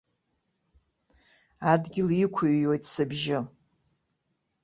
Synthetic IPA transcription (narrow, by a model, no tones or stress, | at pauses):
adɡʲɪlikʷʰaɥo̞jtʼsɨbʒɪ